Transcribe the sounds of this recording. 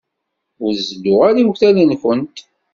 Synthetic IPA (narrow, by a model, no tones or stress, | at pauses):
ʊɾzəd̪ʊʁaɾiwçθælinkʷənt̪